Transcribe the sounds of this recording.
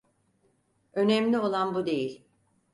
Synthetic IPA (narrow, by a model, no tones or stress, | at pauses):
ø̞nɛmlʲio̞lˠanbud̪e̞jilʲ